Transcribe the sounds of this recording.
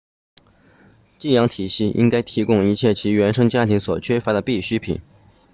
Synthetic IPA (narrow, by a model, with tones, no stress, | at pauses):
t͡ɕi˥˩jɑ˧˥ŋt̪ʰi˨˩ɕi˥˩ʔḭ˥ŋka˥ɪt̪ʰi˧˥kʊ˥ŋi˧˥t͡ɕʰjɛ˥˩t͡ɕʰi˧˥ɥɛ˧˥nʂɤ˥ŋt͡ɕja˥t̪ʰi˧˥ŋswɔ˨˩t͡ɕʰɥɛ˥fa˧˥d̪ə˨pi˥˩ɕy˥pʰḭ˨˩˦n